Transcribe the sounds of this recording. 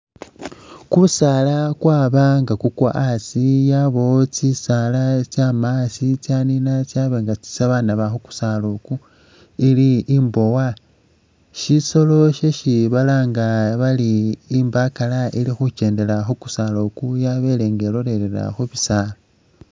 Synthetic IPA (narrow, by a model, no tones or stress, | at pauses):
kusaːlakwaːβaŋɡakukwa̰ʔasijaβo̞t͡sisalat͡ʃjamasit͡sjaninat͡ʃjaβeŋɡat͡si̥saβanaβaxuku̥saːloku | iliːmbo̞wa | ʃiso̞lo̞ʃeʃiβalaːŋɡaβaliːmbakalailixuce̞ːnde̞laxuku̥salokujaβe̞le̞ːŋɡeloɾe̞ɾeɾa̰xuβisaːla